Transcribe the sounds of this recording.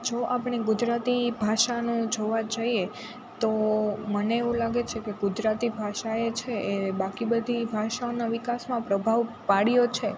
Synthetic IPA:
d͡ʒoʔapɳ̃eɡʊd͡ʒɾat̪ibʱaʃanũd͡ʒoʋad͡ʒaie | t̪oməneːʋũlaɡet͡ʃʰekeɡʊd͡ʒɾat̪ibʱaʃaet͡ʃʰeʔebakibəd̪ʱibʱaʃaonaʋikasmãpɾəbʱaʋ | paɽijot͡ʃʰe

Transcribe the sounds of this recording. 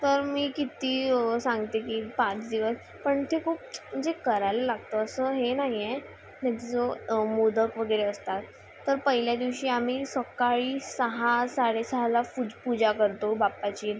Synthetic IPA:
t̪əɾmiːkit̪iːsãŋɡt̪ekiːpãt͡sd̪iʋəs | pəɳt̪ʰekʰuːp̚m̤əɳd͡zekəɾajləlaɡt̪oəsəɦenaɦije | t̪at̪t͡somod̪əkʋəɡəɾeəst̪at̪ː | əɾpəɦiljad̪iʋɕiːamiːsəkaɭiːsəɦasaɽesəɦalapupud͡zakəɾt̪obapːat͡ɕiːn

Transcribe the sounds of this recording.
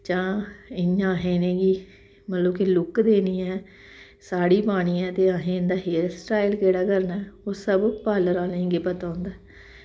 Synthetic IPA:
t͡ʃãːɪãːɦẽːneːɡiː | mət̪ləbkelʊkd̪eːniːɛː | saːɽiːpaːɽ̃iːɛːt̪eːãːɦẽːnd̪aːɦeːɾsʈaːɪlkeːɽaːkəɾnɛːoːsəbpaːləɾaːlẽːɡeːpət̪aːʊnd̪aː

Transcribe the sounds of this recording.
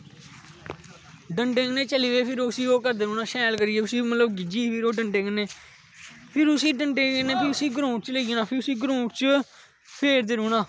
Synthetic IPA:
ɖəɳʈɪ̃ŋɡnẽːt͡ʃəliːʋeːpʰɪɾoːʊsiːoːkəɾd̪eːɾuːnaːʃɛːlkəɾɪeːʊsiːmət̪ləbɡɪd͡ʒiːpʰɪɾoːɖəɳʈẽŋɡneː | pʰɪɾʊsiːɖəɳʈɪ̃neːpʰɪʊsiːɡɾũːʈt͡ʃleinaːpʰɪɾʊsiːɡɾũːʈt͡ʃə | pʰeːɾd̪eːɾuːnaː

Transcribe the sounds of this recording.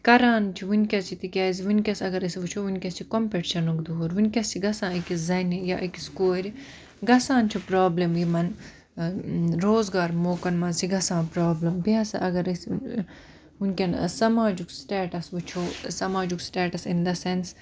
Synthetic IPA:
kɐɾaːnt͡ʃʰiʋunʲkʲɐst͡ʃʰit̪ikʲɐːziʋunʲkʲɐsɐɡɐɾɐsiʋɨt͡ʃʰoːʋunʲkʲɐst͡ʃʰikompeʈʃɐnukd̪uoɾʋunʲkʲɐst͡ʃʰiɡɐsãːikʲizɐnʲɐja̰ʔikiskoːɾʲi | ɡɐsãːnt͡ʃʰupɾaːblɐmjimɐn | ɾoːzɡaːɾmoːkɐnmɐnsiɡɐsãːnpɾaːblɐmbiɐsɐ̰ʔɐɡɐɾɐs | unʲkʲɐn̰sɐmaːd͡ʒuksʈeːʈɐsʋut͡ʃʰoːsɐmaːd͡ʒuksʈeːʈɐsind̪ɐsens

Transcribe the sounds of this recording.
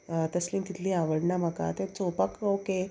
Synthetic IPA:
t̪əslĩːnt̪it̪ʰlĩaʋəɽɳam̤əka̰t̪et͡sopəkoke

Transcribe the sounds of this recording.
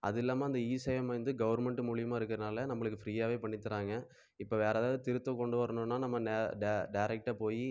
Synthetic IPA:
ʔɐ̰ðɪlːaːmaːɪnd̪ɐiːsɐjɐmɐɯnd̪ɯɡɐʋɐɾmɛɳʈɯmʊɻɪjɐmaːɪɾɯkːɾɐðɐnaːlɐnɐmːɐɭɯkːɯfɾiːjaːʋeːpɐɳːɪt̪ːɯɾaːŋɡɐ | ɪpːoːʋeːɾaːðaːɐðɯt̪ɪɾɯt̪ːɔ̃kɔɳɖɯʋɐɾɐnonːaːnɐmːɐɖɖɐɖɐɪɾɛk̚ʈapoːji

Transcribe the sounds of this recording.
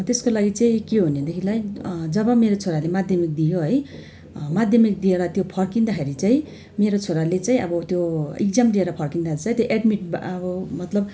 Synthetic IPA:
t̪eskolaɡit͡saĩkeɦuned̪ekʰilajd͡zʌbʌmeɾot͡sʰoɾalemad̪ʱjʌmik̚d̪ijoɦʌj | mad̪ʱjʌmik̚d̪ijeɾʌt̪jopʰʌrkind̪akʰeɾit͡saĩ | meɾot͡sʰoɾalet͡saĩʔʌbʌt̪joḭk̚d͡zamd̪ieɾʌpʰʌrkind̪aeɾit͡saj̃t̪joʔeɖmiʈ̚ʌbʌmʌt̪lʌb

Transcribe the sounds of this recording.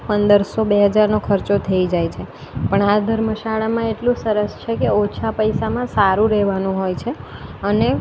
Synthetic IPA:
pənd̪əɾsobeɦəd͡ʒaɾnokʰəɾt͡ʃot̪ʰəid͡ʒajt͡ʃʰe | pəɳad̪ʱəɾməʃaɭamãeʈlũsəɾəst͡ʃʰekeot͡ʃʰapəjsamãsaɾũɾɛɦʋanũɦojt͡ʃʰeəne

